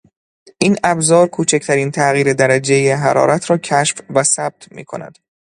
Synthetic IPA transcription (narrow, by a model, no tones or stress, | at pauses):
ʔiːnæbzɒːɾkʰuːt͡ʃʰecʰt̪ʰæɾiːnt̪ʰæɣiːɾed̪æɾæd͡ʒejeɦæɾɒ̰ːɾæt̪ʰɾɒːcʰæʃfvæsæb̥̚t̪ʰmḭːkʰo̞̰næ̰d̪̥